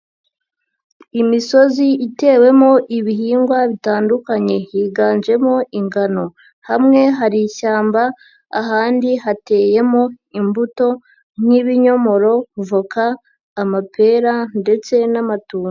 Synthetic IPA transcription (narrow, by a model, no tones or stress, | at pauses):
imiso̞ziite̞ːwe̞mo̞ʔiβiɦiːŋɡwaβitaːndukaɲe̞jiɡaːnd͡ʒe̞mo̞ʔiŋɡano̞ | hamŋe̞ɦaɾiʃaːmbaː | ɦaːndiɦate̞ːje̞mo̞ | imbuto̞ | n̥iβiɲo̞mo̞ɾo̞kuvokaː | mapʰe̞ɾande̞t͡se̞namatuːo